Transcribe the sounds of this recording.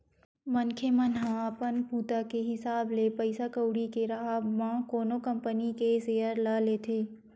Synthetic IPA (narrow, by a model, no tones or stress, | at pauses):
mɐnkʰemənɦãpənpuːt̪akeɦɪsaːblepɐɪsakəʊɽikeɾɐɦabmãkoːnokə̃mpənikeseːjəɾlaleːt̪ʰeː